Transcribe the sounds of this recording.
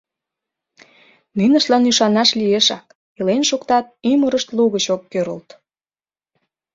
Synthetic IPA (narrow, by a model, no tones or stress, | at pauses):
ninə̆ʃlɑnyʃɑnɑʃlieʃɑk | elenʃukt̪ɑt̪̚yməɾəʃt̪luɣət͡ɕokːøɾə̰lt̪